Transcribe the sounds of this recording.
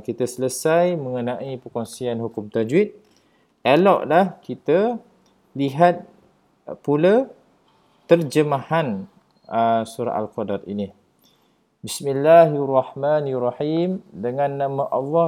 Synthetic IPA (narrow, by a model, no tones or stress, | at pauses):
kit̪asələsajmə̃ŋənãʔipəkoŋsianhukʊmt̪ad͡ʒwit̪̚ | elɔʔlahkit̪a | liɦat̪̚ | pula | t̪ərd͡ʒəmahan | əsuɾa̰ʔa̰lqɔdaɾḭni | bismilːaɦrɑhmanrˤːɑħimdəŋãnːãmaʔɑlːɑ